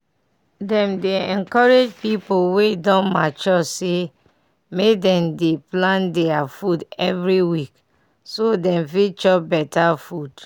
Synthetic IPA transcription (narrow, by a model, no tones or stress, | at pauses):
dɛ̃mdeɛ̃nkɔɹed͡ʒpipowedɔ̃nmat͡ʃɔse | medɛ̃mdeplãndɛafudɛvɹiwik | sodɛ̃mfit͡ʃɔbɛtafud̥